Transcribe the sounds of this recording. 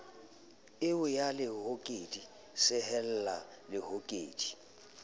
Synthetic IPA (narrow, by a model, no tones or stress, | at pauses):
ɪʊjalɪhokʼedi | sɪɦɛl̩lalɪhokʼḛːd̥i̥